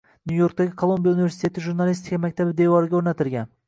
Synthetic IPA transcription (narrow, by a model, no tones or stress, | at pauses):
njujoɾk̚t̪aɡʲɪkʰolˠombijaunɪvesɪ̥t̪ʰe̞t̪ʰɪʒuɾnalˠist̪ɪ̥kʲʰamakʲt̪ʰabɪd̪evɒɾɪɡʲaoɾnat̪ʰɪlɡʲan